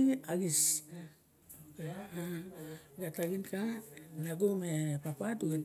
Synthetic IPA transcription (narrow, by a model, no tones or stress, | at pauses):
aɡis | okea | ɡataɡinkanaɡomepapatuɡet